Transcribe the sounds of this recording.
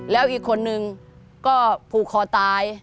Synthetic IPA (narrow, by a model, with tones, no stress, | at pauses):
lɛː˦˥wʔiː˨˩kʰːo˧nːɯ˧ŋ | kɔː˥˩pʰuː˨˩k̚ʰːɔː˨˩t̪aː˧j